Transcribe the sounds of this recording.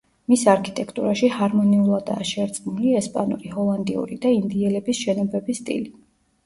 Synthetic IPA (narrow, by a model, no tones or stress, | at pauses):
misaɾkʰit̪ʼɛkʰt̪ʼuɾaʃihaɾmɔniulˠad̪a̰ːʃɛɾt̪sʼqmuliɛspʼanṵɾihɔlˠand̪ḭṵɾid̪aind̪iɛlɛbisʃɛnɔbɛbist̪ʼḭli